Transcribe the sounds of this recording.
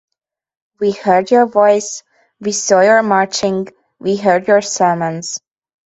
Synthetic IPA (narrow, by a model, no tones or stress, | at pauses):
wihɜ˞djɔ˞vɔɪs | wisɔjə˞mɑɹt͡ʃɪ̃ŋ | wiɦɜɹdjəɹsɜ˞mə̃nz̥